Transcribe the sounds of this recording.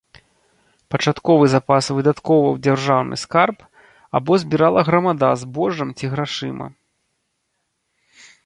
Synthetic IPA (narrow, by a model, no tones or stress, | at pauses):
pɐt͡ʂat̪kɔvɨzapasvɨd̪at̪kɔvɐwd͡zʲarʐawnʔɨ̰skarp | a̰bɔzʲbʲiɾalˠɐɣɾɐmad̪azbɔʐɐmt͡sʲiɣɾaʂɨmʔɐ̰